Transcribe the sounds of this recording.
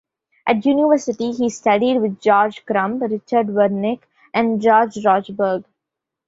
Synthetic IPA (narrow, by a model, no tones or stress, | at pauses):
ʔæʈjuːnɪʋəɾsɪʈiɦiːsʈʌɖiɖʋɪd̪̚d͡ʒɔːɾd͡ʒkɾʌ̃mpɾɪt͡ʃəɾɖʋəɾnɪk | ʔæ̃ɳɖd͡ʒɔːɾd͡ʒɾɔːd͡ʒbəɾɡ